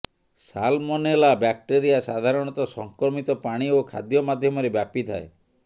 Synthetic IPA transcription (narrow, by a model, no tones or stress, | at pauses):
sa̰lmɔnelabjak̚ʈeɾijasad̪ʱaɾɔɽ̃ɔt̪ɔsɔŋkɾɔmit̪ɔpaɽ̃iokʰa̰d̪jɔmad̪ʱjɔmɔɾebjapit̪ʰa̰ḛ